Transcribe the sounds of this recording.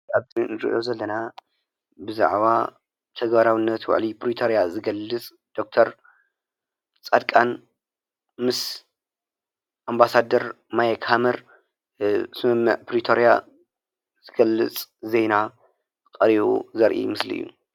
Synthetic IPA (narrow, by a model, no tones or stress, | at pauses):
aβzinɨɾɨ̰ʔʔozɐlːɐna | bɨza̰ʕβa | t̪ʰɐɡbaɾawinːɐt̪wa̰ʕlipʰɾit̪ʰoɾjazɨɡɐlːɨt͡sʼ | d̪̥o̞k̚t̪ʰɐɾ | t͡sʼad̪kʼan | mɨs | ʔambasad̪ɐɾ | majɐkhamɐɾ | zɨmɐmːɨ̰ʕpɾit̪ʰoɾija | z̥ɨɡ̥ɐlːɨt͡sʼzejna | kʼɐɾiβṵzɐɾʔḭmɨslḭɨ̰jːṵ